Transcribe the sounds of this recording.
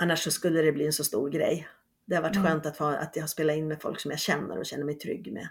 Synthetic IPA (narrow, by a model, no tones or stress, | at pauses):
anːaʂːɔskɵlːəd̪ɛbliːɛnsɔst̪ṵːɾɡɾɛ̰j | d̪ɛhaɾvaʈːɧøːnt̪at̪hɑːa̰t̪jɑhaspeːlaɪnmɛfɔ̰lksɔmjaɡɕɛnːə̰ɾɔɕɛnːəɾmɛjt̪ʰɾʏ̰ɡːmɛ̰